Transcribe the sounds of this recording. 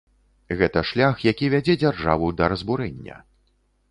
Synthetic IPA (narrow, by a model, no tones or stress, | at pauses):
ɣɛt̪ɐʂlʲaxjakʲivʲad͡zʲɛd͡zʲarʐa̰vɐwd̪ɐɾɐzbuɾɛnʲːɐ̰